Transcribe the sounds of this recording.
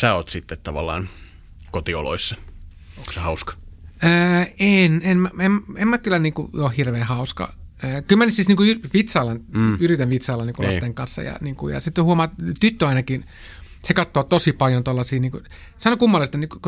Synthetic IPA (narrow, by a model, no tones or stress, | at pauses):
sæːoːt̪sit̪ːet̪t̪ɑʋɑ̰lːɑ̰ːn | kot̪io̰lo̰isːɑ | oosehɑuskɑ̥əːenemmæememmækylːæniːŋkṵjoːhhirʋeːhɑuskɑ̰øːkylmænyt̪sisniːŋkuyʋit̪sɑːlɑnyrit̪æʋʋit̪sɑːlːɑniːkulɑ̰st̪eŋkɑnsːɑ̰jɑ̰niːŋkujɑ̰sit̪ːhuomɑːt̪yt̪ːøɑinɑkin | sekɑt̪ːoːt̪osipɑljont̪olːɑsiːniːŋku | sɑnokumːɑlist̪ɑniːkuk